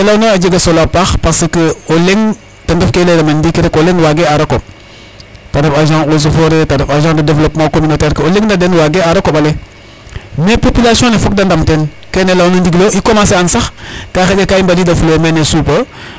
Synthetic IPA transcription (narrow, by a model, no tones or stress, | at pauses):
elawnoad͡ʒeɡɐsolapaxpaɾsəkəoleŋ | tɐndofkeledamendikiɾekoleŋwaɡeaɾɐko̰ | tadɐfaʒãos̬ofoɾetadɐfaʒãːdɐdevlopmakominotɛɾkəoleŋdadenwaɡeaɾɐkobale | mepopilasiɔ̃nefok̚dandamten | kenelawnondiɡloʔikomãs̬eansaxkaxeɟakaimbaliːdafulomenesupə